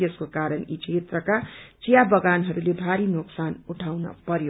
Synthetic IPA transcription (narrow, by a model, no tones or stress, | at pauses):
ʌskokaɾʌnit͡ʃʰet̪rʌkat͡sijabʌɡanɦʌɾuleb̪ʱaɾinoksanuʈʰawnʌ̰pʌɾjo